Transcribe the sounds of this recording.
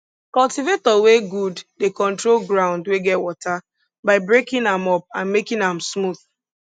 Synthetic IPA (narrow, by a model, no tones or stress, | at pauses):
kɔltivetɔweɡuddekɔ̃ntɹolɡɹãʊ̃ndweɡɛtwɔtʰa | baɪbɹekĩnãmɔp̚ãnmekĩnãmsmuð